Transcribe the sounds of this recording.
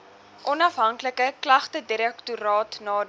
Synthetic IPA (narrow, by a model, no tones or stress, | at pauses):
ʔɔnɐfɦɐŋkləkəklɐχtədiɾɛktuɾɑːtnɑː